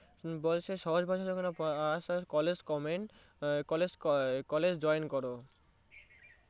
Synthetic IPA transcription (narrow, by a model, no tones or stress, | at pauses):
bolʃʰeʃɔɦoʃbʱaʃad͡ʑokonaaʃakɔled͡ʑkɔmen | kɔled͡ʑkɔled͡ʑd͡ʑɔjnkɔɾo